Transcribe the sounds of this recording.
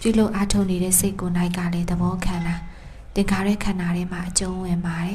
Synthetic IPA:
pjṵ˦˨lo˦ʊʔa˦tʰo˦ʊʔne˨ɾɛ̰˦˨se˦ɪkːo˨na˦ɪʔkːa̰˦˨lɛ˦d̪əbɔ˦kʰã˨nda˨ | t̪ɪ̃˨ŋkʰa˨ɾwɛ̰˦˨kʰã˨na˨ɾɛ˨˦m̥a̰˦˨ʔət͡ɕõ˦wɪ̃˨mba˨ɾɛ˨˦

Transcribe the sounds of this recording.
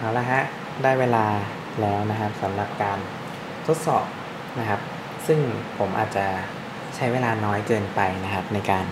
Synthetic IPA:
ʔaː˩˦wlɛː˧ɦa˦˥ʔ | daː˥˩jweː˧laː˧ | lɛː˦˥wna˦˥kʰa˦˥p̚sa˩˦mɾa˨˩p̚kaː˧n | t̪ʰo˦˥t̪̚sɔ̰ː˨˩p̚ | na˦˥kʰa˦˥p̚ | sɯ˥˩ŋpʰo˩˦mʔa̰ː˨˩t̪̚t͡ɕa˨˩ | t͡ɕʰa˦˥jweː˧laː˧nɔː˦˥jkɤː˧npa˧jna˦˥kʰa˦˥p̚na˧jkaː˧n

